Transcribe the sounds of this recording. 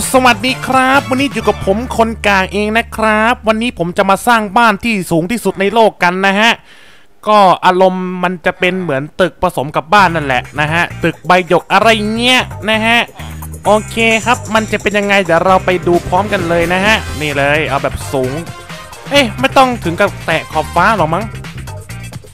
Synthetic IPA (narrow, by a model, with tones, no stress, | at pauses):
sa˧wa˨˩t̪̚diː˧˥kʰɾa˦˥p̚wa˧nːiː˦˥juː˨˩ka˨˩pʰo˩˦mkʰo˧nkaː˨˩ŋʔeː˧ŋna˦˥kʰɾa˦˥p̚wa˧nːiː˦˥pʰo˩˦mt͡ɕa˨˩ʔmaː˧saː˥˩ŋbaː˥˩nt̪ʰiː˥˩suː˩˦ŋt̪ʰiː˥˩su˨˩t̪̚na˧jloː˥˩kːa˧nːa˦˥ɦa˦˥ʔ | kɔː˥˩ʔaː˧ɾo˧mːa˧nt͡ɕa˨˩ʔpe˧nmɯ˩˦ənt̪ɯ˨˩k̚pʰɾa˧so˩˦mka˨˩p̚baː˥˩nːa˥˩nlɛ̰˨˩ʔna˦˥ɦa˦˥ʔt̪ɯ˨˩k̚ba˧jjo˨˩k̚ʔa˧ɾa˧jŋi˦˥ɐʔna˦˥ɦa˦˥ʔʔoː˧kʰeː˧kʰa˦˥p̚ma˧nt͡ɕa˨˩pe˧nja˧ŋːa˧jt̪aː˨˩ɾa˧wpa˧jduː˧pʰɾɔː˦˥mka˧nlɤː˧jna˦˥ɦa˦˥ʔniː˥˩lɤː˧jʔa˧wbɛː˨˩p̚suː˩˦ŋ | ʔeː˧˩ma˥˩jt̪ɔ˥˩ŋt̪ʰɯ˩˦ŋka˧˩t̪ɛː˨˩kʰɔː˨˩p̚faː˦˥lɔː˨˩k̚ma˦˥ŋ